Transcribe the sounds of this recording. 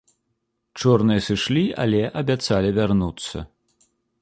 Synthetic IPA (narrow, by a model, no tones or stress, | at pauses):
t͡ʂɔrnɨjɐsɨʂlʲia̰lʲɛʔɐbʲat̪salʲivʲarnut̪sːɐ̰